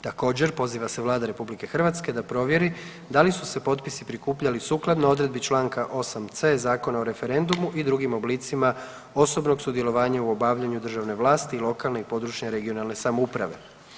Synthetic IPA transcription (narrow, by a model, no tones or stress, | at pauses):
t̪ako̞ːd͡ʑe̞ɾpo̞ziːʋase̞ʋlaːd̪aɾe̞publike̞xrʋat̪ske̞d̪apɾo̞ʋje̞ɾi | d̪alisuse̞po̞t̪pisipɾikuːpʎalisuːklˠad̪noo̞d̪ɾe̞d̪bit͡ʃlˠaːŋkaʔo̞samt̪se̞zaːko̞naoɾe̞fe̞ɾe̞nd̪umuʔid̪ɾuɡimo̞blit̪sima | o̞so̞bno̞ɡsud̪je̞lˠo̞ʋaːɲauo̞baːʋʎaɲud̪r̩ʒaʋne̞ʋlˠaːst̪iːlo̞kalˠne̞ipo̞d̪ɾut͡ʃɲeɾe̞ɡio̞nalˠne̞samoupɾa̰ʋe̞̰